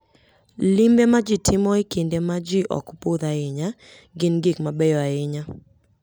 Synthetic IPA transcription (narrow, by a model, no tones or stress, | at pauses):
lɪmbemad͡ʒitʰɪmɔɪkendemad͡ʒiʔɔ̰kpoðaɪɲa | ɡɪnɡɪkmabɛjɔaɪɲa